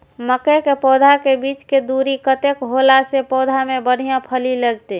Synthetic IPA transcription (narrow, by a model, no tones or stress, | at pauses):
məkekepɔːd̪ʱakebit͡ʃked̪uɾikət̪ekɦolasepɔd̪ʱamebəɽ̤ijãpʰəliləɡt̪e